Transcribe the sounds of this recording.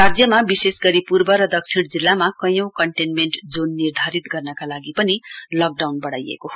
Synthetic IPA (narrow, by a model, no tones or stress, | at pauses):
rad͡zjʌmabisesɡʌɾipurbʌɾʌd̪ʌk̚t͡sʰiɽ̃d͡zilːamakʌjʌ̃w̃kʌɳʈenmeɳʈd͡zonːird̪ʱaɾit̪ɡʌrnʌkalaɡipʌnilʌk̚ɖawnbʌɽajḛkoɦ